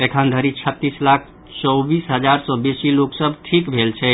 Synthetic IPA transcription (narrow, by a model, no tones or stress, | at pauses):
ekʰənd̪ʱəɾit͡ʃʰət̪ːislakʰ | t͡ʃɔbisɦəd͡ʒaɾsɔ̃besiloksəbʱʈʰikbʱelt͡ʃʰɛ